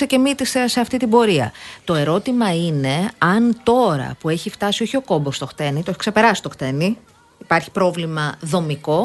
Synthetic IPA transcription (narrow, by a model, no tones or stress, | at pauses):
ece̞mit̪isese̞ɐft̪it̪ibo̞ɾiɐ̰t̪o̞e̞ɾo̞t̪imɐine̞ɐnt̪o̞ɾɐ̰pue̞çift̪ɐsio̞çio̞ko̞bost̪o̞xt̪e̞nit̪oeçi̥kse̞pe̞ɾɐsi̥st̪oxt̪e̞ni | ipɐɾçi̥pɾo̞vlimɐðo̞miko̞